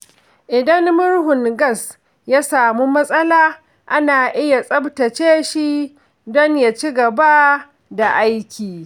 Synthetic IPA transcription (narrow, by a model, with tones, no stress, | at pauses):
ʔɪ˨dɐ˦mmʊ˦ɽhʊ˨ŋɡɐ˦s | jaː˦saː˨mu˦mɐ˦sʼɐ˦laː˦ | ʔa˦naː˨ʔɪ˦ja˨sʼɐ˦btɐ˨t͡ʃeː˦ʃi˦ | dɔ˦ɲja˨t͡ʃi˦ɡɐ˨ba˦ | da˨ʔa˦jkʲʰiː˨